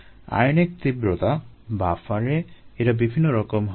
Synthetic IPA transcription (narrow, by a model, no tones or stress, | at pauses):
a̰jnekt̪ibɾot̪a | bafaɾeeɾabibʱinːoɾɔkomɦ